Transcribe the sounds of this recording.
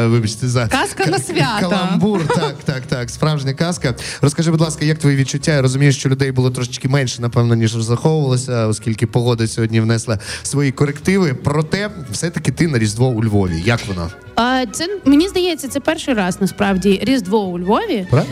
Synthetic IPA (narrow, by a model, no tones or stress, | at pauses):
ʋɪbɐt͡ʃt̪ezɐkaskɐnɐsʋʲakɐlˠɐmburt̪ɑkt̪ɑkt̪ɑkspɾɑwʒnʲɐkɑskɐɾɔskɐʒɪbʊdlˠɑskɐjɐkt̪ʋɔjiʋʲid̪̚t͡ʃʊtʲːaiɾɔzʊmʲijɪʃt͡ʃɔlʲʊd̪ɛjbʊlˠɔt̪ɾɔʃɪ̥t͡ʃkɪmɛnʲʃɛnɐpɛʋnɔnʲiʒrɔzɾɐxɔʋʊʋɐlˠɐsʲɐɔsʲkʲilʲkɪpɔɦɔd̪ɐsʲɔɦɔdʲnʲiʋnɛslˠɐsʋɔjikɔɾekt̪ɪʋɪpɾɔt̪ɛwsɛt̪ɐkɪt̪ɪnɐɾʲizd̪ʋɔʊlʲʋɔʋʲḭjɐkʋɔna̰ | ɐt̪sɛmenʲizd̪ɐjɛt͡sʲːɐt̪sɛpɛrʃɨɪjɾɑznɐspɾɑwdʲiɾʲizd̪ʋɔʊlʲʋɔʋʲip